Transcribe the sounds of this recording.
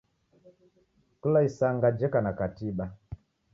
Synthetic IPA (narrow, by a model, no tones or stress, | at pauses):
kulaisaŋɡad͡ʒɛkanakatiɓa